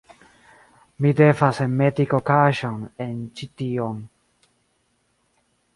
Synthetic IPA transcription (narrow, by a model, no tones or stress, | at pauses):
mid̪efasemɛd̪ikokaʃɔ̃nɛ̃nt͡ʃit̪iõn